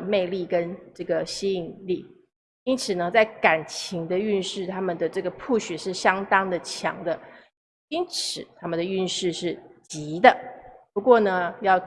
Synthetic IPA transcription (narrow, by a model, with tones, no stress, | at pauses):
me˥˧ɪli˥˩kə˦nʈ͡ʂɤ˥˩ɡə˩ɕi˥i˨˩nli˥˩ | i˥nt͡sʰɹ̩˨˩nə˧˦t͡sa˥˩ɪka˨˩nt͡ɕʰi˧˥ŋd̪ə˧y˥˧nʂɻ̩˥˩t̪ʰa˥mə˨nd̪ə˩ʈ͡ʂɤ˥˩ɡə˩pʰu˥˩ɕɛ˨˩ʂɻ̩˥˩ɕjɑ˥ŋt̪ɑ˥ŋd̪ə˨t͡ɕʰjɑ̰˧˥ŋd̪ə˧ | i˥nt͡sʰɹ̩˨˩t̪ʰa˥mə˨nd̪ə˩y˥˧nʂɻ̩˥˧ʂɻ̩˥˩t͡ɕi˧˥d̪ə˧pu˧˥kwɔ˥˩nə˩jɑ˥˩ʊ